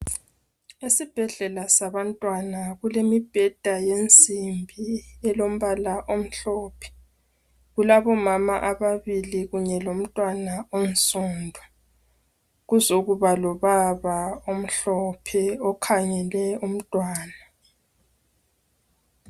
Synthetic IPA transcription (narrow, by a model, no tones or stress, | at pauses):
esib̥ʱɛɮɛlasaβantʼwanaɣulemib̥ʱɛd̥ʱajent͡sʼimbʱiɛlom̩βalaʔom̩ɬɔːpʰɛ̥ | ɣulaβɔmama̰ʔaβaβiliɣuɲɛlom̩tʼwanaon̩sʼuːndʱwa | ɣuzoɣuβalɔβaβaom̩ɬɔpʰɛɔkʰaɲɛlɛum̩tʼwaːna